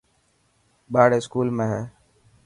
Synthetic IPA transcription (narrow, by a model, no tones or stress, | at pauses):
ɓaːɽeːskuːlmẽːɦɛː